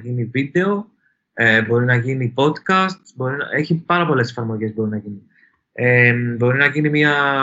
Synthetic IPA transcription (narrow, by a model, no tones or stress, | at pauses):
ʝinivid̪e̞o̞ | ebo̞ɾinɐʝinipo̞t̪kɐst̪sbo̞ɾine̞çipɐɾɐpo̞le̞se̞̥fɐɾmo̞ʝe̞zbo̞ɾinɐʝini | ebo̞ɾinɐʝinimɲɐ